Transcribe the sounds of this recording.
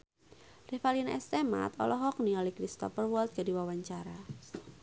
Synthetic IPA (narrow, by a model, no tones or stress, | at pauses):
refalinaʔɛst̪ema̰t̪ɔ̰lɔɦɔk̚niɔlikɾist̪ɔ̰fərwɔlt̪̚ɡ̥adiwawaɲt͡ʃaɾa